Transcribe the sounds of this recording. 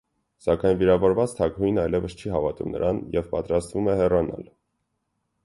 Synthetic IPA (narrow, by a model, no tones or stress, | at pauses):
sɑkɑjnviɾɑvɔɾvɑt͡st̪ʰɑkhujnɑjlɛvəst͡ʃʰiɦɑvɑt̪umnə̰ɾʔɑnjɛvpɑt̪ɾɑst̪vumɛhɛrɑnɑ̰l